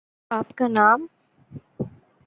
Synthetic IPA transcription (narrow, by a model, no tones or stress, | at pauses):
aːpkanaːm